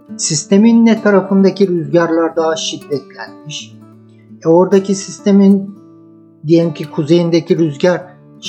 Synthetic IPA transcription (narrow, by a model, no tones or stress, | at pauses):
sist̪ʰe̞minːɛt̪ʰːaɾafɯnd̪acʰiɾyzɟaɾlˠaɾd̪aɦaʃid̪ːɛt̪lʲænmiʃ | ɛo̞ɾd̪acʰisist̪ʰe̞min | d̪ijelʲimcʰikʰuze̞jind̪ecʰiɾyzɟaɾ